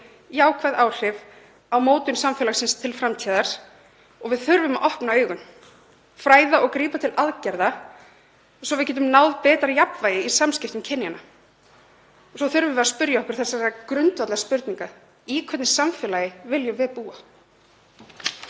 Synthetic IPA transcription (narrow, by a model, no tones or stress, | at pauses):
jaːwkʰvajðaːwl̥ɪv | awmoːwt̪ʏnsamfɛːlasɪnst̪ʰɪlfɾamt̪ʰiːðaɾs | ɔɣvɪðθʏɾvʏmaʔɔhpnaœːɥɣʏn | fɾaːjðaʔɔɣkɾiːpat̪ʰɪlʔaðcɛɾða | sɔvɪðcɛːt̪ʏmnaːwðpɛːt̪ɾaɾjapvaːjɪisamscɪft̪ʏmcʰɛnːjana | sɔθʏɾvʏvɛðaspʏɾjaɔhkʏɾ̥θɛsːaɛɾakɾʏnt̪vat̪lɛɣaspʏɾt̪niŋka | iːkʰvœt̪nɪsamfɛːlajɪvɪljʏvɪðpuːa